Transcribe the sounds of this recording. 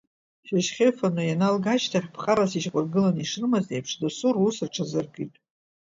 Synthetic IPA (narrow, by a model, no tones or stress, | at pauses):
ʃaʒχʲefanujanalɡat͡ʃtʰaχʲpʰqʼaɾasiʃqʷʼʊrɡɨlaniʂrɨmazejpʰʂdosurusɨrʈ͡ʂʰazɨrɡɨjtʼ